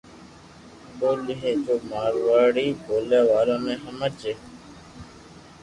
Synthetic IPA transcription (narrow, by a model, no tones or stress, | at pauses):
boːliɦẽːd͡ʒoːmaːɾʋaːɽiːboːleːʋaːlõːmẽːɦəməːt͡ʃeː